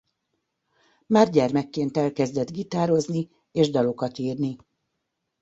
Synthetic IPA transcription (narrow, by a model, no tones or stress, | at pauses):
maːrɟɛrmɛkːeːnt̪ɛlkɛzd̪ɛd̪ɡit̪aːɾo̞zni | eːʒd̪ɒlo̞kɒt̪iːrni